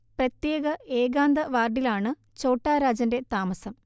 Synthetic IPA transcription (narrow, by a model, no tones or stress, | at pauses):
prɐt̪jeːɡɐʔeːɡaːnd̪ɐʋaːrɖilaːɳɨ | t͡ɕo̞ːʈːaːɾaːd͡ʑɐnde̞t̪aːmɐsɐm